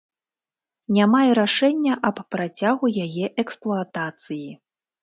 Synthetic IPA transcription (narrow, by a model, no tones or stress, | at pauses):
nʲamajɛɾaʂɛnʲːɐʔɐpːɾat͡sʲaɣujajɛʔɛksplˠuat̪at̪sɨji